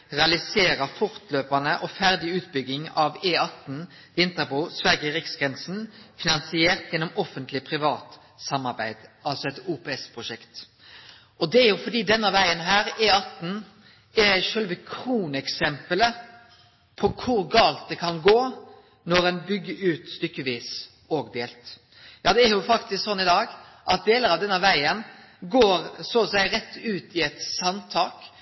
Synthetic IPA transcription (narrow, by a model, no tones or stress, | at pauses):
ʁɛɑlɪseːɾəfɔʁt̪løːpɑnəʔɔfæʁd̪ɪʉːt̪bʏɡ̪ɪŋɑʋeːɑt̪n̩ | ʋɪnt̪əbuːsʋæʁɡəʁɪksɡʁɛnsn̩fɪnɑnsɪeːʁt̪jɛnːɔmɔfənt̪lɪpʰʁɪʋɑːt̪ | sɑmːɑʁbæɪd̪̥ɑlsɔɛt̪uːpeɛspʰʁʊʃɛkt̪ | ɔd̪ɛæʁjʊfɔd̪iːd̪ɛnːəʋæɪənɦæːɾeːɑt̪n̩ | ɛʃœlʋəkʰɾuːnɛksɛmpələ | pʰɔkʰʊɾɡɑːlt̪̚d̪ɛkʰɑnɡoː | nɔɾɛnbʏɡːəʉːt̪st̪ʏkːəʋiːs | oːɡd̪eːlt̪ | jɑːd̪ɛæɾjʊfɑkt̪ɪsksɔnːɪd̪ɑːɡʔɑt̪̚d̪eːləɾɑʋd̪ɛnːəʋæɪən | ɡoːɾsɔsæɪɾɛt̪ːʉːt̪ɪɛt̪sɑnt̪ʰɑːk